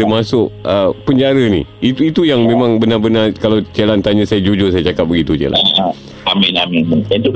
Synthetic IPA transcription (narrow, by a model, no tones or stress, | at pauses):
əmasʊʔəpəɲd͡ʒaɾənḭit̪uit̪ujaŋmẽmãŋbənabənakalat͡ʃelant̪aɲãsajad͡ʒud͡ʒʊsajat͡ʃakap̚bəɡit̪ut͡ʃḛla̰ | amɪlamimənənt̪u